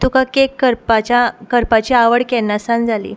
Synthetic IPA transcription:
t̪ukakekːəɾpat͡ɕakəɾpat͡ɕiːaʋəɽkɛnːasãnd͡zʱalḭː

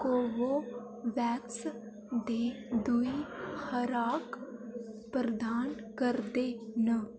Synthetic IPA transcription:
koʋo | ʋɛːs | d̪eː | d̪ʊihəɾaːk | pɾəd̪ʱaːn | kəɾd̪eːnə

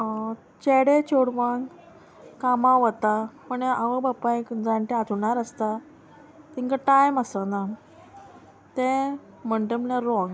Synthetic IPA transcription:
t͡ɕeɽet͡ɕoɽʋãŋɡ | kamãʋət̪apəɳeaʋəbapːãẽkd͡zaɳʈ̪ẽat̪uɳaɾəst̪a | t̪iŋkaʈajməsəna | t̪ẽ | m̤əɳʈem̤əlaɾɔŋ

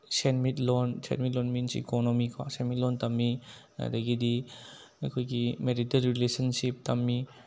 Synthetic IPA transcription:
senmitlɔnsḛnmit̬̚lɔnminsḭḭkonomikʰa̰senmit̚lɔntɐmːina̰daɡidi | ɐkʰojɡimeɾitelɾilesɐnsip̚tɐmːi

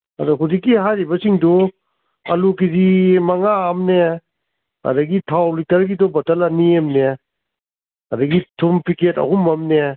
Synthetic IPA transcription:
ɐdɔɦudikːiɦajɾibɐsiŋdɔ | ɐ̰lukizimɐŋaːmne | ɐ̰dɐɡitʰawlitɐɾɡidɔbɐtɐlɐniemne | ɐdɐɡitʰumpiketɐ̰humɐmne

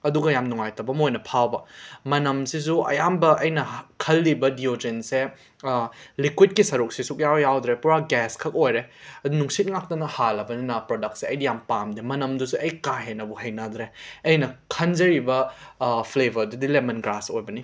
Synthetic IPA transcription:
ɐduɡɐjamnuŋajtɐbɐmojnɐpʰawbɐmɐnɐmsis̬uʔɐ̰jambɐʔɐjnɐkʰɐlːibɐdiod͡ʒense | likwit̚kisɐɾuk̚sisuk̚jawjawdɾepuɾaɡɛskʰɐk̚ojɾeɐunuŋsit̚ŋak̚tɐnɐhalːɐbɐninɐpɾodɐk̚t̚seɐjdijampamdimɐnɐmdusuʔɐjkaɦenɐbuɦɐjnadɾeɐjnɐkʰɐnd͡ʒɐɾibɐpʰlebʱɐɾdudilemɐnɡɾasojbɐni

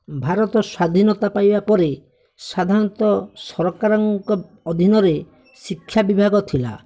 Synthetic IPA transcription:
bʱaɾɔt̪ɔswad̪ʱinɔt̪apajbapɔɾe | sad̪ʱaɾɔnt̪ɔsɔɾɔkaɾɔŋkɔ | ɔd̪ʱinɔɾe | sikʰːjabibʱaɡɔt̪ʰila̰

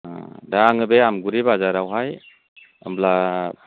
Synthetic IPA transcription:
daŋɯbeamɡuɾibazaɾawɦaj | ə̰mbla

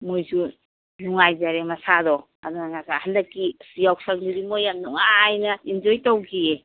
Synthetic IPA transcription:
mojzu | nuŋajzaɾemɐsadɔ | a̰danakahandɐkːisijawsaŋdiɾimojamnɔŋaːjnɐind͡ʒɔjtawɡʰie

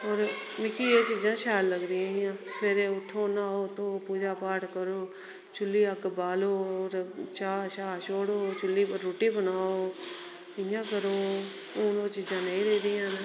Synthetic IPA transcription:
oːɾmɪ̃kieːt͡ʃiːd͡ʒãːʃɛːlːəɡɾɪjãːɪjãːsəʋeːɾeːʊʈʰːoːnaːoːt̪oːpuːd͡ʒaːpaːʈkəɾoː | t͡ʃʊlːiːəkbaːloːɾt͡ʃaːʃaːʃoːɽoːt͡ʃʊlːiːəɾoːʈiːbənaːoː | ɪjãːkəɾoː | uːnoːt͡ʃiːd͡ʒãːnə̃ĩɾeiːd̪ɪjãːnəː

